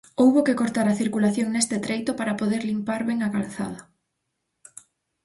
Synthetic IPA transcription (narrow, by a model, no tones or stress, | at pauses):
owβokekoɾt̪aɾaθiɾkulaθjoŋnest̪et̪ɾejt̪opaɾapoðeɾlimpaɾβɛŋakalθa̰ð̞ɐ